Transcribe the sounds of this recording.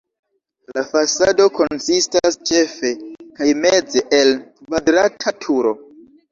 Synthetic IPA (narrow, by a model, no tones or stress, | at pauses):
lafasado̞ko̞nsistast͡ʃe̞fe̞kajme̞d͡zeʔelkvadɾatʰatʰuɾo̞